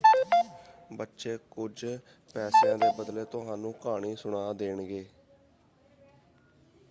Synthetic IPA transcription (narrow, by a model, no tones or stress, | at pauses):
bətːʃeːkʊd͡ʒ | pɛːsãːd̪eːbəd̪leːt̪ʊɦãːnũːkaːɽiːsʊɳaːd̪eːɳɡeː